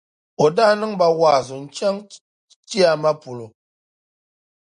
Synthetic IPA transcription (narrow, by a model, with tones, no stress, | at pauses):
o˨daː˦nɨ˦ŋba˦waː˨zʊ˨n̩˨t͡ʃɛ˦ŋ | ti˦a˨ma˦pʊ˨lo˨